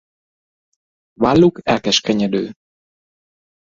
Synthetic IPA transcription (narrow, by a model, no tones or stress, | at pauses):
valːukɛlkɛʃkɛɲɛd̪øː